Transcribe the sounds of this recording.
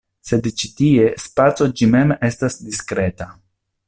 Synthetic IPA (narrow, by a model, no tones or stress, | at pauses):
se̞dt͡ʃitie̞spat͡so̞d͡ʒime̞me̞stasdiskɾe̞ta